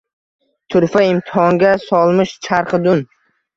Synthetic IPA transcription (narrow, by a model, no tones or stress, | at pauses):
t̪ʰʊɾfaɪmt̪ʰɪhɒŋɡʲasɒlˠmɪʃt͡ʃʰaɾqɨd̪ʊn